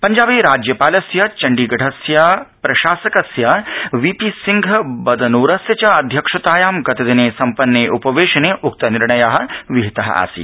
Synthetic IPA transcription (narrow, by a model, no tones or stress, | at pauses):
pɐɲd͡ʒaːbiːɾaːd͡ʒjɐpaːlɐsjɐt͡ʃɐɳɖiɡɐʈʰɐsjapɾɐʃaːsɐkɐsjɐʋipisiŋɡʱɐbɐd̪ɐnuːɾɐsjɐt͡ʃɐɐd̪ʱjɐkʂɐt̪aːjaːmɡɐt̪ɐd̪ineːsɐmpɐnːeːʔupɐʋeːʃɐneːʔuk̚t̪ɐniɾɳɐjaːɦɐ̆ʋiɦit̪ɐɦɐ̰ʔa̰ːsḭ